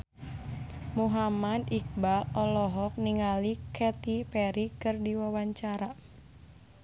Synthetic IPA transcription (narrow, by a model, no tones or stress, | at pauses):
muɦamad̪ik̚balɔlɔɦɔk̚niŋalikʰɛt̪ipɛɾikɨrdiwawaɲt͡ʃaɾa